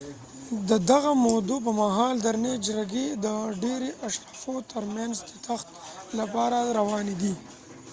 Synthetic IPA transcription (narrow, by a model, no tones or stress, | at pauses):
d̪əd̪aɣamod̪up̬əmaɦɑld̪aɾned͡ʒɾaɡed̪əɖeɾeʔaʃɾɑfot̪əɾmjanzt̪ət̪axt̪lapɑɾaɾawɑned̪i